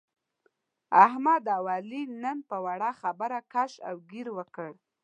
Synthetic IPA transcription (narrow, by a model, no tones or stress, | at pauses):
ahmad̪awɑlinənpəwaɽaxabəɾakaʃa̰wɡiɾwəkəɽ